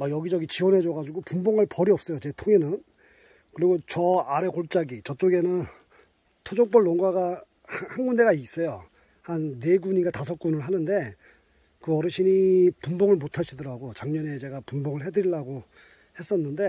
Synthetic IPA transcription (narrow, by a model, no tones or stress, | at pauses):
majʌɡid͡ʑʌɡit͡ɕiwʌnɦe̞d͡ʑʌɡad͡ʑuɡopumboŋaɭpʌɾiʌp̚s͈ʌjot͡ɕe̞tʰoŋe̞nɯn | kɯɾiɡot͡ɕʌaɾe̞koɭt͡ɕ͈aɡit͡ɕʌt͡ɕ͈oɡe̞nɯn | tʰod͡ʑoŋp͈ʌɭːoŋɡaɡa | hhanɡunde̞ɡais͈ʌjo | hanːe̞ɡuɲiɡatasʰʌk͈̚unɯɭɦanɯnde̞ | kɯʌɾɯɕʰinipumboŋɯɭmotʰaɕʰidʌɾaɡot͡ɕaŋɲʌne̞t͡ɕe̞ɡapumboŋɯɭɦe̞dɯɾiɭːaɡo | he̞s͈ʌnːɯnde̞